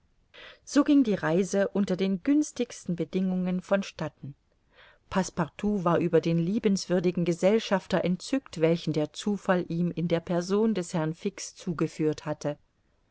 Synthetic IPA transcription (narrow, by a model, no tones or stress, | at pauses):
z̥oːɡɪŋdiːʁaɪzəʔʊntɐdeːnɡʏnstɪçstn̩bədɪŋʊŋənfɔnʃtatn̩ | pʰaspaʁtʰuːvaːɐʔyːbɐdeːnliːbn̩sv̥ʏɐdɪɡŋ̩ɡəzɛlʃaftɐʔɛnt̚t͡sʏktv̥ɛlçn̩deːɐt͡suːfalʔiːmɪndeːɐpʰɛɐzoːndɛshɛɐnfɪkst͡suːɡəfyːɐthatə